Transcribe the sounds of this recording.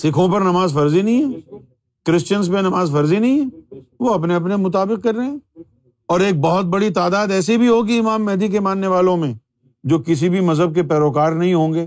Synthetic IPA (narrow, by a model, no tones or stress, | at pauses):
sɪkʰõpɐɾnɐmaːzfɐɾzinɐɦĩɦɛː | kɾɪst͡ʃənspẽnɐmaːzfɐɾzinɐɦĩɦɛ̃ːʋoɐpneɐp̬nemʊt̪̬aːbɪq̚kɐɾːeɦɛ̃ː | ɔːɾeːk̚bɔɦʊt̪̚bɐɽit̪aːd̪aːd̪ɛːsibʱiɦoːɡiɪmaːmːɛːd̪ik̬emãːnːeʋaːlõmẽ | d͡ʒoːkɪs̬ibʱimɐzɦəb̚kepɛːɾoːkaːɾnɐɦĩɦõːŋɡeː